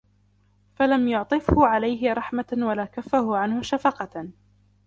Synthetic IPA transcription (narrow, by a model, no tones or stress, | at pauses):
falamjʊʕt̪ˤɨfhʊʕalajɦɪɾˤɑħmawalaːkafːahʊʕanhʊʃafɑqɑ